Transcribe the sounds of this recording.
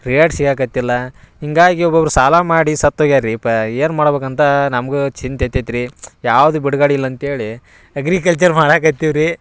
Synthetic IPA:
ɾijaːɖsikaːk̬ɐt̪ːilːɐ | iŋɡaːɡiɔbɐɾusaːlamaːɽisɐt̪ːoɡaːɾipɐeːnmaːɽbeːk̬ɐnt̪ɐnɐmɐɡut͡ʃint̪et̪ːet̪ɾijaːʋd̪ubiɽɡaːɽiilːɐnt̪ɐeːɭi | ɐɡɾikɐlt͡ʃɐɾmaːɽaːkɐt̪ːiʋɾi

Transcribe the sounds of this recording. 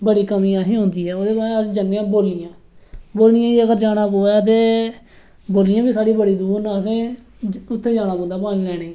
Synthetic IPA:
bəɽiːkəmĩːãːɦiːɦõːnd̪iːɛːoːd̪eːbaːɾeəsd͡ʒənːjãːboːlijãː | boːlnĩjãːiːəɡəɾd͡ʒaːɽ̃aːpoːɛːt̪̬eː | boːlɪjãːbiːsaːɽiːbəɽiːd̪uːɾnãːs̬ẽː | ʊt̪ʰːeːd͡ʒaːɽ̃aːbõːnd̪aːpaːnĩːlɛːɽ̃eː

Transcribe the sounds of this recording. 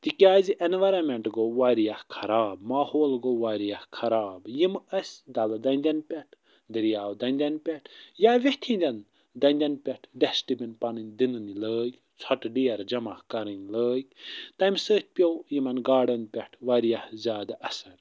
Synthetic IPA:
t̪ikʲjaːziʔenʋɐɾɐmʲeɳʈɡoʋaːɾijahkʰɐɾaːbmaːhoːlɡoʋaːɾijahkʰɐɾaːbjimɐsʲd̪ɐld̪ɐnʲd̪ʲɐnpʲɛʈʰ | d̪iɾijaːwd̪ɐnʲd̪ʲɐnpʲɛʈʰjaːʋiht̪ʲʰĩːnd̪ʲɐn | d̪ɐnʲd̪ʲɐnpʲɛʈʰɖesʈibʲinpɐnɨnʲd̪inɨniləːkʲ | t͡sʰɐʈɖiɐɾd͡ʒɐmahkɐɾɨnʲləːkʲt̪ɐmʲsəːt̪̚ʲʰpʲjojimɐnɡaːɖɐnpʲɛʈʰʋaːɾijahzʲjaːd̪aʔɐsɐnʲ

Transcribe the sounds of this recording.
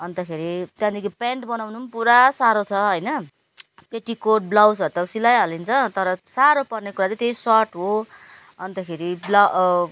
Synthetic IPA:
ʌnt̪akʰeɾit̪jãd̪ikʰipaɳʈbʌnawnunpuɾasaɾot͡sʰʌɦʌjnʌ | peʈikoʈ̚blawsʌɾut̪ʌsilajɦʌlint͡sʰʌt̪ʌɾʌsaɾopʌrnekuɾat͡sʌ̃t̪ejsʌʈɦo | ʌnt̪akʰeɾibla

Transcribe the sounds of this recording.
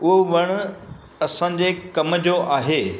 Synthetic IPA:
ʊɦoʋɐɽ̃ | ɐsãːɲ̆d͡ʑeːkɐmd͡ʑoʔaːɦeː

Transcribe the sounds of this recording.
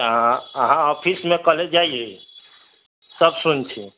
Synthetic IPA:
ɦãəɦãɔpʰismekəled͡ʒaie | səbsunt͡ʃʰi

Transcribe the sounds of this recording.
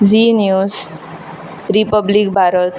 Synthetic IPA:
d͡zinjus | ripʌblik̚bʱaɾʌt̪

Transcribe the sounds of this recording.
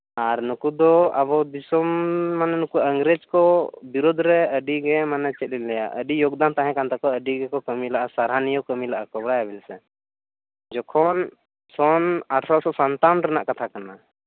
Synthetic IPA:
aɾnukud̪ɔa̰bɔd̪isɔmːanɛnukuəŋɡɾed͡ʒkɔbiɾod̪ʱɾɛəɖiɡɛmanɛt͡ʃɛt̪̚ˀlinlɛja̰ʔə̰ɖijoɡd̪ant̪aɦɛ̃kant̪ɛkɔəɖiɡɛkɔkəmilaʔasaɾɦanijɔkəmilaʔakɔbɽajabilsɛ | d͡ʒɔkʰɔn | sɔnaʈʰɾɔsɔsant̪anɾɛna̰ʔkat̪ʰakana

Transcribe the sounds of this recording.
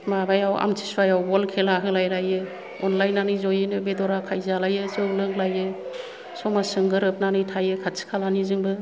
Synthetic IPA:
mabajawa̰mtʰi̥suajawbɔlkʰelaɦɯlajlajɯ | ɔnlajnːanɯzɔjɯnɯbedɔɾakʰajzalajɯzɯwlɯŋlajɯ | sɔmasɯŋɡɯɾɯp̚nanɯjtʰajɯkʰasʰi̥kʰalanizɯŋbɯ

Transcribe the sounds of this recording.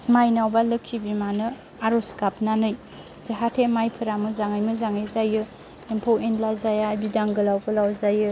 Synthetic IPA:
majnawbalɯkʰːibimanɯ | aɾoskap̚nanɯj | d͡ʒaɦatʰemajpʰɯɾamɯzaŋɯjmɯzaŋɯjzajɯ | empʰowentlazajabidaŋɡɯlawbɯlawzajɯ

